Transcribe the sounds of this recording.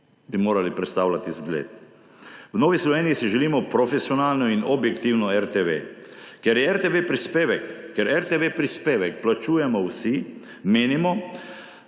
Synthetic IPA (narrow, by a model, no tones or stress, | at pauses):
bimoːɾalipɾɛt̪st̪aːwlat̪izɡlḛːt̪̚ | wnoːʋislɔʋeːniisiʒɛliːmɔpɾɔfɛsiɔnaːlnɔinɔbjɛkt̪iwnɔɛɾt̪eʋḛkɛɾjɛɛɾt̪eʋepɾispeːʋɛkːɛɾɛɾt̪eʋepɾispeːʋɛkplat͡ʃuːjɛmɔwsi | meːnimɔ